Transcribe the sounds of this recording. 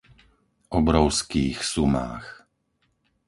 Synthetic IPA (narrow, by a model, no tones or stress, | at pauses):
ʔɔbɾɔʊskiːxsuma̰ːx